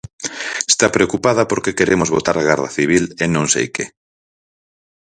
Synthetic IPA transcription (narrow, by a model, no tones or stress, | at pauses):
est̪apɾeokupað̞ɐpoɾkekeɾemozβot̪aɾaɣaɾðɐ̰θiβ̞ilenõŋsḛjkḛ